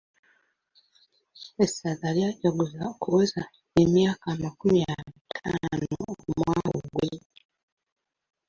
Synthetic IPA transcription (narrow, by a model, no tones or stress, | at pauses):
esazaliaɟaɡuzakuweza | emjaːkamakumiaitʰano̰mwaoɡwe